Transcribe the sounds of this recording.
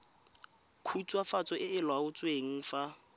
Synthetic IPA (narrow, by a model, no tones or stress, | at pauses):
kʰut͡sʼwafat͡sʼɔʔɪɪlwaʊt͡sʼweŋ̩fa